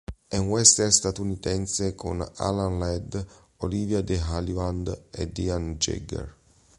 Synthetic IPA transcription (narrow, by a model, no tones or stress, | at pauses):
ɛnwɛst̪erst̪at̪unit̪ɛnsekʰo̰na̰lanlɛd̪ | olivjad̪eɦalivand̪ḛd̪iand͡ʒḛɡḛr